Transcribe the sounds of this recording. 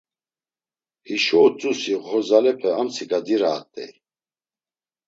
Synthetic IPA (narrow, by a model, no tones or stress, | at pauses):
hiʃɔːt͡sʼusiʁɦɔzalɛpʰɛamt͡sʰiɡad̪iɾaːt̪ʼɛ̰j